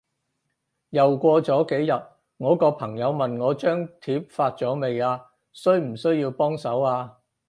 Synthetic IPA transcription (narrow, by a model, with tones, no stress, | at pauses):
jɐ˨wkʷɔː˧t͡sɔː˨˥ke˨˥jjɐ˨t̚ | ŋɔː˨˥kɔː˧pʰɐ˨˩ŋjɐ˨˧wmɐ˨nŋɔː˨˧t͡ʃœː˥ŋt̪ʰiː˨˥p̚faː˧t̚t͡sɔː˨˥me˨jaː˧ | sɵ˥ɥm̩˨˩sɵ˥ɥjiː˧wpɔː˥ŋsɐ˨˥waː˧